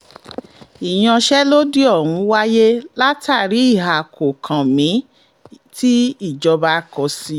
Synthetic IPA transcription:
i˨j̃ɔ̃˧ʃɛ˦lo˦di˦ɔ˦˨hũ˨˧˦wa˦je˦la˦tʰa˦˨ɾi˨˦i˦˨ɦa˨kʰo˨kʰã˨mĩ˨˦ | ti˦i˦˨d͡ʒɔ˧ba˧˦kɔ˨˧si˧˦

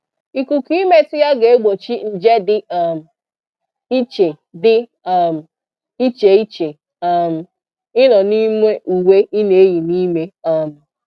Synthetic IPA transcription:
i˨ku˨ki˦me˦tʊ˦ja˦ɡe˨e˦ɡ͡bo˨t͡ʃi˦n̩˨d͡ʒe˦dɪ˦a˦˨m̩˨ | i˦t͡ʃe˨ | dɪ˦˨ | m̩˨ | i˦t͡ʃe˨i˦t͡ʃe˨ | a˨m̩˨ | ɪ˦nɔ˨ni˦me˦ʔu˨we˦ʔi˦ne˨e˦ɣi˨ni˦me˦a˨m̩˨

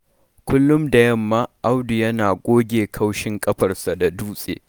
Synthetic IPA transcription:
kʷʊ˦lːʊ˦mda˨jɐ˦˨mːaː˦ʔa˦wdʊ˨jɐ˦naː˨kʷʼoː˦ɡʲeː˨kʰɐ˦wʃɪ˦ŋkʼɐ˦ɸɐ˨rsa˨da˨duː˦sʼḛː˨

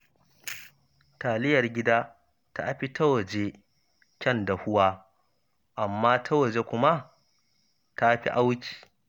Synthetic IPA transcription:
taː˨lɪ˦jɐ˨rɡʲɪ˦daː˦ | ta̰˦ʔa˦ɸi˦tʰɐ˦wɐ˨d͡ʒe˦ | kʲɛ˦˨nda˨hʊ˦waː˦ | ʔa˨mːaː˦tʰa˦wɐ˨d͡ʒe˦kʷʊ˦ma˦ | ta˦ɸi˦ʔa˦wt͡ʃi̥ː˨

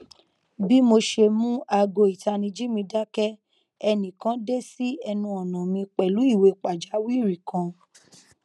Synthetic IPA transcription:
bi˦mo˧ʃe˧mũ˦a˧ɡo˧˨i˨ta˧nĩ˧d͡ʒi˦mĩ˧da˦kɛ˦ | ɛ˧nĩ˨kã˦de˦si˦ɛ˧nũ˧ɔ˨nã˨mĩ˧k͡pɛ˨lu˨˦i˦˨we˨˧k͡pa˨d͡ʒa˨˦wi˦˨ɾi˨kã˧

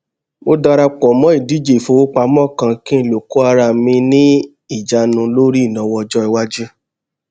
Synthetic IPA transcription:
mo˧da˧ɾa˧k͡pɔ˨mɔ̃˨˦i˦˨di˨˦d͡ʒe˦˨fo˨˧wo˦k͡pa˧mɔ̃˦˨kã˧kĩ˦ĩ˦˨lo˨ko˦a˧ɾa˧˨mĩ˧nĩ˦ | i˦˨d͡ʒa˧˦nũ˧lo˦ɾi˦˨nɔ̃˧˦wɔ˧d͡ʒɔ˦i˧wa˦d͡ʒi˦

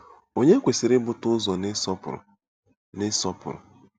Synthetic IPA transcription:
o˨ɲe˦kʷe˨si˨ɾɪ˦bʊ˦tʊ˦zɔ˨n˦sɔ˦pʊ̰˨ɾ̰ | nɪ˦sɔ˦pʊ̰˨ɾʊ̰˨

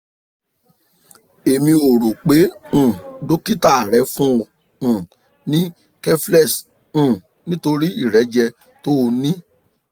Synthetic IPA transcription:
e˨mĩ˧o˨ɾo˨k͡pẽ˨˦˨ | do˦ki˦ta˦˨a˨ɾɛ˨˧˦fũ˦o˨ | ũ˨ | nĩ˦ | kɛ˦flɛ˦˨s̩˨ | nĩ˦to˧ɾi˦i˦˨ɾɛ˨˦d͡ʒɛ˧ | to˦o˧nĩ˦

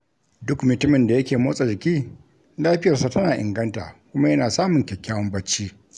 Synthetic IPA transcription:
dʊ˦kmʊ˨tʊ˦mɪ˨nda˨jɐ˦kʲeː˨moː˦sʼe˨d͡ʒɪ˨kʲiː˦ | laː˦ɸɪ˦jɐ˨rsa˦tɐ˦naː˨ʔɪ̰˨ŋɡɐ˦nta̰ː˨kʷʊ˦ma˦jɐ˦naː˨saː˦mʊ˨ŋkʲɛ˨kʲʰːa˦wɐ˦mbɐ˦t͡ʃːiː˦

